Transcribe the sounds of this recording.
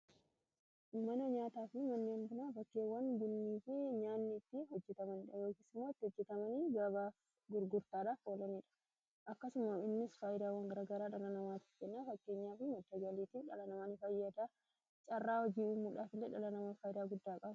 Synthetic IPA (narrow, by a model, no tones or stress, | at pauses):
mɐnɐɲaːt̪aːfɪmɐnːeɐŋɡʊnaːbɐkːeːwɐnbʊnːiːfeɲaːnːɪt̪ːɪhɔd͡ʒːɛt̪ɐmɐnɪᶑɐjo̞ːkiːsɪmːoɪt̪ːɪhɔd͡ʒːɛt̪ɐmɐniːɡɐbaːf | ɡʊɾɡʊɾt̪aːᶑaːfoːlɐniːᶑɐ̥ | ʔɐkːɐsʊmɐɪnːɪsfaːjɪd̪aːwɐŋɡɐɾaːɡɐɾaːᶑɐlɐnɐmaːt̪ɪ̥fkɛnːaːfɐkːe̞ːɲːaːfɪmɐt̪ːɐd͡ʒɐliːt̪iːfᶑɐ̰lɐnɐmɐnɪfɐjːɐd̪aː | t͡ʃʼɐrːaːhɔd͡ʒiːuːmuːᶑaːfɪlːeːᶑɐlɐnɐmɐnfaːjɪd̪aːɡʊd̪ːaːkʼɐb